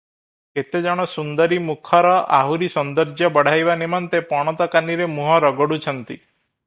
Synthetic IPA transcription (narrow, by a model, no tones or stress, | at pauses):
ket̪ed͡ʒaɽ̃ɔsund̪ɔɾimukʰɔɾɔa̰ɦuɾisɔnd̪ɔɾd͡ʒjɔbɔɽ̤ajbanimɔnt̪epɔɽ̃ɔt̪ɔkaniɾemuɦɔɾɔɡɔɽut͡ʃʰɔnt̪ḭ